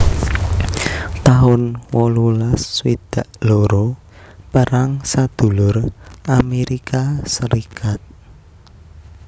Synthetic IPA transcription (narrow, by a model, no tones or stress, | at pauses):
t̪aɦʊnwɔlulaswid̪̥aʔloɾo | pəɾaŋsad̪̥ṳlʊrʔameɾikasəɾikʰat̪̚